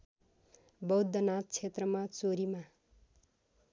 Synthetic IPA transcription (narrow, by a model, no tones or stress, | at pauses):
bʌwd̪ːʌnat̪̚t͡sʰet̪rʌmat͡soɾima